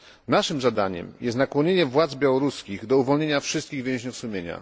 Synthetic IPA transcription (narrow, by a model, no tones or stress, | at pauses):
naʂɘmzad̪aɲɛ̰mjɛst̪nakwɔɲeɲɛvwad̪zbʲjawɔɾuskʲiɣd̪ɔuvɔlɲeɲafʂɘst̪kʲiɣvʲjɛ̃ʑɲufsumʲjeɲa̰